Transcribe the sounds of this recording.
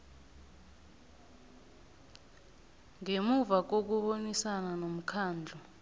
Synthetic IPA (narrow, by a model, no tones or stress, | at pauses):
ŋemuvak̬ok̬uɓonisananom̩kʰaːnd͡ɮʱɔ